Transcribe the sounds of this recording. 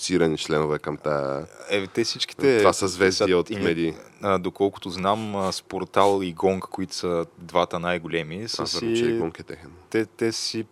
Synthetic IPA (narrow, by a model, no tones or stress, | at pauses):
siɾɐnit͡ʃlɛnovɛkɐmt̪aɛt̪ɛsit͡ʃk̟i̥t̪ɛvasəzvɛsiot̪mɛd̪ʲiəd̪okɔlˠkʊ̥t̪ʊznaməspoɾt̪alˠiɡɔŋkkoit̪ʊ̥səd̪vat̪ənajɡolʲɛmisəsɾit͡ʃɛɡɔŋkɛt̪ɛxɛnt̪ɛt̪ɛssi